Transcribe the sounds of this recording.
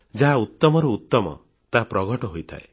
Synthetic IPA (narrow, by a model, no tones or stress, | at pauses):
d͡ʒaɦaut̪ːɔmɔɾɔut̪ːɔmɔ̰ | t̪apɾɔɡɔʈɔɦojt̪ʰa̰ḛ